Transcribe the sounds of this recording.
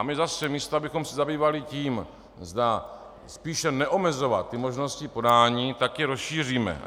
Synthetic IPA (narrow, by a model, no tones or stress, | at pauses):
mɪzasɛmiːst̪oabɪxo̞msɛzabiːvalɪciːm | zda | spiːʃɛnɛʔomɛzo̞vat̪ːɪmo̞ʒno̞scɪpo̞daːɲiːt̪akjɛɾosʃiːr̝iːmɛ̰